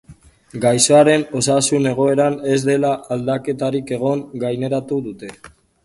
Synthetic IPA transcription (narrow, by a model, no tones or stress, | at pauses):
ɡajsoaɾe̞no̞sasune̞ɣ̞o̞e̞ɾane̞zd̪e̞laald̪ake̞t̪aɾike̞ɣ̞o̞ŋɡajne̞ɾat̪uðut̪e̞